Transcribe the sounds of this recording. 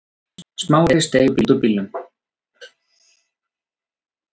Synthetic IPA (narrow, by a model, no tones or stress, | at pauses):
smaːwɾɛst̪eːjʏpilt̪upilːʏm